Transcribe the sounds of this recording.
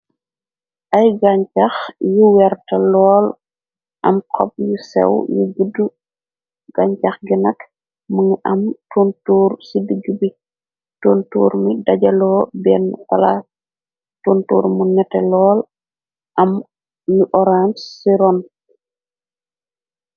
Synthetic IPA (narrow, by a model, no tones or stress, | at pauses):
ʔɐjɡaɲcaxjuwɛɾtɐlɔːl | ʔɐ̰mkʰɔ̰p̚jusɛ̰wjuɡudu | ɡ̥aɲt͡ʃaxɡinɐk | muŋiʔɐmtuntuːɾsidiɡibi | tuntṵːɾmidɐɟɐlɔːbɛnfɐla | tuntṵːɾmunɛtɛlɔːl | ʔɐm | juʔɔɾansːiɾɔn